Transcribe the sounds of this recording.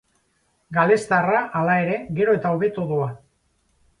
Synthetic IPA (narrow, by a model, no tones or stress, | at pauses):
ɡale̞st̪araʔalae̞ɾe̞ɡe̞ɾo̞e̞t̪aoβe̞t̪oðoa